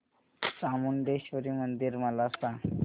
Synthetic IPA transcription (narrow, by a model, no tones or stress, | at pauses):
samund̪eɕʋəɾiːmənd̪iːɾməlaəst̪a